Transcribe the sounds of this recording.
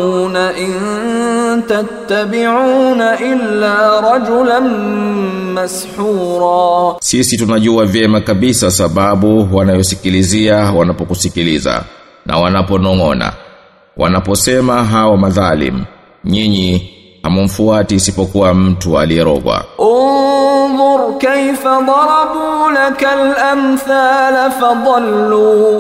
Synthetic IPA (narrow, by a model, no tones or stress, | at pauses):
naʔɪn | t̪at̪ːabɪʕuːnaʔɪlːaːɾˤɑd͡ʒʊlan | masħuːɾˤɑːsisitunaʄuavjɛmakaɓisasaɓaɓuwanajɔsikiliziawanapɔkusikiliza̰ | nʔa̰wanapɔnɔŋɔna̰ | wʔa̰napɔsɛmaɦawɔmaðalḭm̩ | ɲiɲi | hamum̩fuatiːsipɔkuwam̩tua̰liɛɾɔ̰ɠwa̰ʔʊnðˤʊɾkajfad̪ˤɑɾɑbuːlakalʔamθaːlfɑðˤɑlːuː